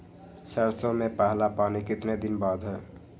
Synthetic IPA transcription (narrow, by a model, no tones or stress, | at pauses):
səɾsomẽpaɦlapaːnikɪt̪ned̪ɪnbaːd̪ʱɦɛː